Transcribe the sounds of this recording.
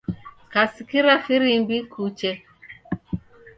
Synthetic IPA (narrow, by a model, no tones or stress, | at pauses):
kasikiɾafiɾimbikut͡ʃɛ